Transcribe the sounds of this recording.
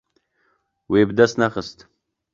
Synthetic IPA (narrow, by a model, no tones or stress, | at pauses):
weːbəd̪ast̪naxəst̪